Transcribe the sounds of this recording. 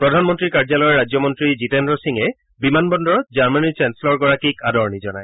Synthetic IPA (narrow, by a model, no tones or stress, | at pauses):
pɹɔdʱanmɔntɹikaɹzalɔjɔɹad͡ʑjɔmɔntɹizitɛnɹɔsiŋɛ | bimanbɔndɔɹɔt̪̚zaɹmanit͡ʃɛnselɔɹɡɔɹakikadɔɹnizɔnaj